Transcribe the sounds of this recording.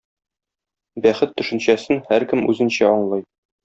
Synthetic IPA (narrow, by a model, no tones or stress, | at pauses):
bæχɘt̪ːɵ̆ʃɘ̆nɕæsɘnhæɾkɘmʉzɘ̆nɕæɒɴlˠɤj